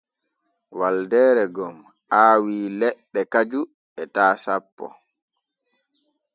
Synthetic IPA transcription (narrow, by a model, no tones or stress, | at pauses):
waldɛːɾɛɡɔm | aːwiːlɛɗːɛkad͡ʒu | ɛtaːsapːɔ̰